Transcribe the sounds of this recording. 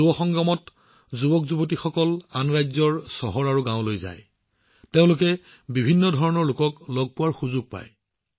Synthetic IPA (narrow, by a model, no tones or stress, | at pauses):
ubɔxɔŋɡamɔt | zubɔkzubotixɔkɔlanɹajzɔɹsɔɦɔɹaɹuɡãʊ̃lojza̰j | teʊ̃lʊkɛ | bibʱinːɔdʱɔɹɔnɔɹlʊkɔklɔɡ̚pʊwaɹxuzʊɡ̚pa̰j